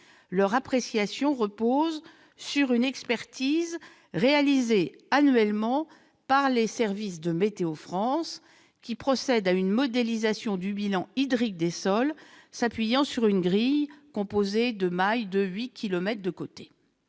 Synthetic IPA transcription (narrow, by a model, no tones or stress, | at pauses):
lœʁapχesjasjɔ̃ʁəpoz | syʁynɛkspɛʁt̪iz | ʁealize | anɥɛlmɑ̃ | paʁlesɛʁvisd̪əmet̪eofχɑ̃s | kʲipχɔsɛd̪aynmɔd̪elizasjɔ̃d̪ybilɑ̃id̪ʁik̚d̪esɔlsapɥijɑ̃syʁynɡʁijkɔ̃pozed̪əmajd̪əɥikʲilɔmɛt̪χd̪əkot̪e̥